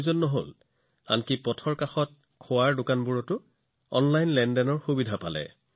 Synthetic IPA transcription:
zɔnːɔɦo̰l | a̰nkipɔtʰɔɹkaxɔt̚ | kʰʊwaɹdʊkanbuɹɔtʊ | ɔ̰nlajnlɛndɛnɔɹxubidʱapalɛ̰

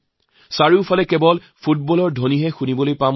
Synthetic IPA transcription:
saɹiʊpʰalɛkɛbɔl | pʰut̚bɔlɔɹdʱoniɦɛxunibɔlojpam

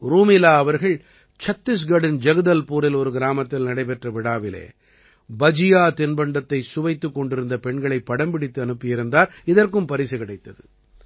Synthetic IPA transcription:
ɾuːmɪlaːɐʋɐɾɣɐɭ | t͡ʃɐt̪ːɪs̬ɡɐɽɪnd͡ʒɐɣɐðɐlpuːɾɪlɔɾɯɡɪɾaːmɐt̪ːɪlnɐɽɐɪpɛʈrɐʋɪɽaːʋɪlḛː | bɐd͡ʒɪjaːt̪ɪnbɐɳɖɐt̪ːɐɪsʊʋɐɪt̪ːɯkːɔɳɖɪɾɯnd̪ɐpɛɳɡɐɭɐɪpːɐɽɐmpɪɽɪt̪ːɯɐnɯpːɪjɪɾɯnd̪aːɾɪðɐrkɯmpɐɾɪsɐkɪɽɐɪt̪ːɐðɯ

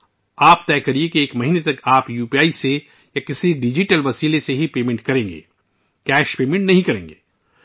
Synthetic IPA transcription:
aːp̚t̪ɛːkɐɾiekieːkmɐɦiːnet̪ɐkaːpjuːpiaːise | jakɪsiɖɪd͡ʒiʈəlʋɐsiːleseɦipeːmẽɳʈ̚kɐɾẽːŋɡḛː | kɛːʃpeːmẽɳʈnɐɦĩkɐɾẽːŋɡeː

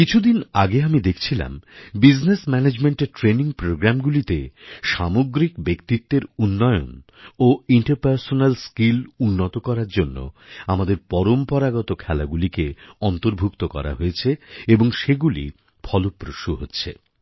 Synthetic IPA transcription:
kit͡ɕʰud̪inaɡeamid̪ekʰt͡ɕʰila̰mbid͡ʑnesmɛned͡ʑmeɳʈeɾʈɾeniŋpɾoɡɾamɡulit̪eʃamoɡɾikbekt̪it̪ːeɾunːɔeo̰n | oiɳʈaɾpaɾsonalskilunːot̪okɔɾaɾd͡ʑonːo̰amad̪eɾpɔɾompɔɾaɡɔt̪okʰɛlaɡulikeɔnt̪oɾbʱuk̚t̪okɔ̰ɾa̰ɦoet͡ɕʰeeboŋʃeɡulḭ | bʰʱɔlopɾoʃuɦotːɕʰḛ

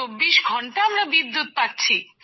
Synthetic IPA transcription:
obːiʃɡʱɔɳʈaamɾabid̪ːut̪̚paʈːt͡ɕʰi

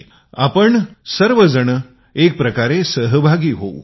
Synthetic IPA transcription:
a̰pəɳsəɾʋəd͡zəɳ̃ | ek̚pɾəkaɾesəɦəbʱaɡiːɦo̰w

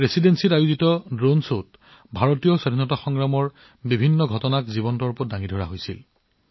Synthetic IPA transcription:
ɹesidensitajuzitɔdɹonsot | bʱaɹotijɔsadʱinɔtaxɔŋɹamɔɹ | bibʱinːɔɡʱɔtɔnakzibɔntɔɹpɔtdaŋidʱɔɹa̰ɦojsḭl

